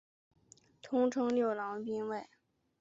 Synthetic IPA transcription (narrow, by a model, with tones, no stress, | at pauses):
t̪ʰʊ˥ŋʈ͡ʂʰɤ˥ŋljo˥˩ʊlɑ˧˥ŋpi˥nwe˥˩ɪ